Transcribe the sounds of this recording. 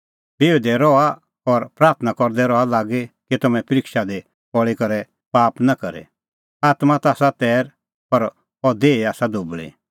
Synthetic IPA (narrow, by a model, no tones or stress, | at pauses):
beːd̪ɛɾɔa | ɔɾpɾaːɾt̪ʰnakɔɾd̪ɛɾɔalaːɡekit̪ɐmɛ̃pɾiːkʃad̪e | pɔɭikɔɾɛ | paːpnakɐɾɛ̰ | aːt̪mat̪aːsat̪ɛːɾ | pɐɾ | ɔd̪eːiaːsad̪ʊbɭḭ